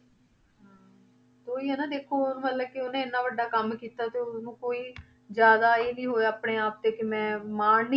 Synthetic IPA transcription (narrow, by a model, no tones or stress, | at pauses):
ɦãː | t̪oːiːɦɛːnãːd̪eːkʰːoːʊnməlːəkɪʊnẽːnːãːʋəɖaːkəmkiːt̪aːt̪eːʊsnũːkoːiː | d͡ʒjaːd̪aːeːliːɦoːeaːpɽeːaːp̚t̪eːkɪmɛ̃ːmaːɳni